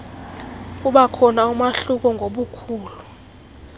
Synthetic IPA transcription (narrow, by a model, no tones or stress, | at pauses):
uɓakʰɔnaumaɬuk̬ɔŋɡʱoɓukʰuːlu